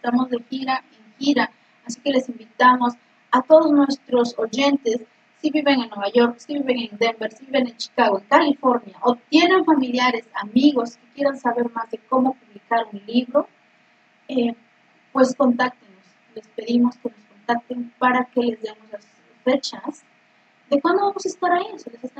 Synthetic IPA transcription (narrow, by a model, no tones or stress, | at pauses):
est̪amo̞zðe̞xiɾaeŋxiɾaː | sike̞le̞simbit̪amo̞s | at̪o̞ðoznwe̞st̪ɾo̞so̞ʝe̞nt̪e̞sː | iβiβe̞ŋenːwe̞β̞aʝo̞ɾksiβiβe̞ŋeŋd̪embeɾsiβiβenent͡ʃi̥kaɣoeŋkalifo̞ɾnjaʔot̪je̞neɱfamiljaɾe̞samiɣo̞skekje̞ɾansaβe̞ɾmazðe̞ko̞mo̞puβlikaɾunliβɾo̞ | e | pwe̞sko̞nt̪ak̚t̪enos | le̞spe̞ðimo̞ske̞no̞sko̞nt̪ak̚t̪empaɾake̞le̞zðemozlas | fe̞t͡ʃaz | d̪ekwand̪o̞βamo̞saest̪aɾainoselesest̪a